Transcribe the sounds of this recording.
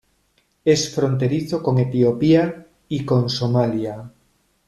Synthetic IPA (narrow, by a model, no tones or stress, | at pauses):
esfɾont̪eɾiθokoŋet̪iopia | ikoŋsomalja